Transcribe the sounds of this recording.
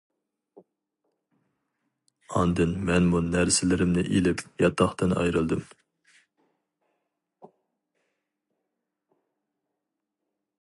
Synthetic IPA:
ɑnd̪ɨnmɛnmunæɾsɪlɪɾɪmnɪʔilɪpjɑt̪ʰːɑχt̪ɨnɑ̰jɾɨlˠd̪ɨm

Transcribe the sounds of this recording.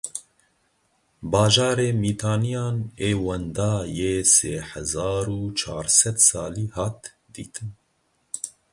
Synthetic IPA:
bɑːʒɑːɾeːmiːt̪ʰɑːnijɑːneːwɛnd̪ɑːjeːseːhɛzɑːɾuːt͡ʃʰɑ̰ːɾsɛd̪sɑ̰ːliːhɑːt̪ | d̪ḭːt̪ʰɨn

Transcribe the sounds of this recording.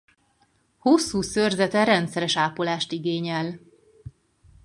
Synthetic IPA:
hosːuːsørzɛt̪ɛɾɛnt̪sɛɾɛʃaːpolaːʃt̪iɡeːɲɛl

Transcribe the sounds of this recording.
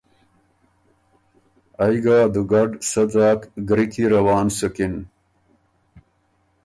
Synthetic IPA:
ɐjɡaːd̪uɡɐɖsɐd͡zaːkɡɾikiɾɐwaːnsukin

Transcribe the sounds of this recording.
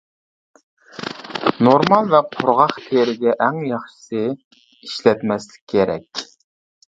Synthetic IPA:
noɾmɑlˠvɛqʰʊɾʁɑχt̪ʰeɾɪɡʲɛʔæŋjɑχʃi̥sɨ | iʃlɛt̪mɛslɪ̥kʲʰːeɾɛ̰kʲ

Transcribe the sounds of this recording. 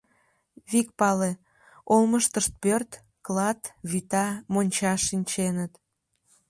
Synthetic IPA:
βik̚pɑle | olməʃt̪əʃt̪̚pørt̪ | klɑt̪βit̪ɑmonʲt͡ɕɑʃːinʲt͡ɕenət̪

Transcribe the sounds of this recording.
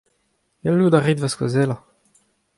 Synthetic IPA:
jalːud̪aʁid̪vaskɔ̰zɛla

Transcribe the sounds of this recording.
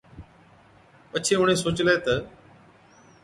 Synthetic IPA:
pət͡ʃʰeːʊɳ̤ẽːsoːt͡ɕlaeːt̪ə

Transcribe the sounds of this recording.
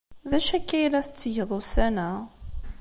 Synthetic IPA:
ðæʃækːæjlæθət͡sːəjəðˤusænæ

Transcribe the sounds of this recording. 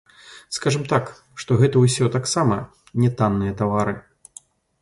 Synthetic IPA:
skaʐɨmt̪ak | ʂt̪ɔɣɛt̪ɐwsʲɔt̪aksamɐ | nʲɛt̪anːɨjɐt̪avaɾɨ

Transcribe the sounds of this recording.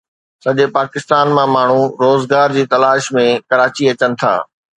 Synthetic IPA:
sɐʄepaːkɪst̪aːnmãmaːɳ̤uɾoːzɡaːɾd͡ʑiːt̪ɐlaːʃmẽkɐɾaːt͡ɕiɐt͡ɕənɪ̆t̪ʰa̰ː

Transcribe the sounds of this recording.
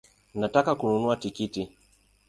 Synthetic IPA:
natakakununuatikiti

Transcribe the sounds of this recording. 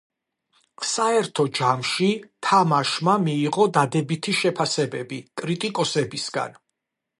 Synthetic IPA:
saɛɾt̪ʰɔd͡ʒamʃit̪ʰamaʃmamiːʁɔd̪ad̪ɛbit̪ʰiʃɛpʰasɛbɛbikʼɾit̪ʼikʼɔsɛbisɡa̰n

